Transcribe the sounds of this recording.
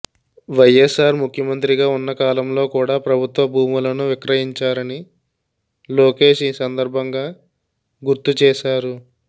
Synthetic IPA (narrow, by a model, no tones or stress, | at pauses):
ʋɐjːesaːɾmukʰjɐmɐnt̪ɾiɡaːunːɐkaːlɐmlo̞ːkuːɽaːpɾɐbʱut̪ʋɐbʱuːmulɐnuʋikɾɐɦiɲt͡ʃaːɾɐni | lo̞ːke̞ːʂiːsɐnd̪ɐɾbʱɐŋɡaː | ɡuɾt̪ut͡ʃɛːʃaːɾu